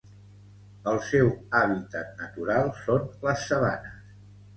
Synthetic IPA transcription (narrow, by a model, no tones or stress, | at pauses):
əlˠsɛwaβ̞it̪ət̪̚nət̪uɾalˠsonləsːəβa̰nəs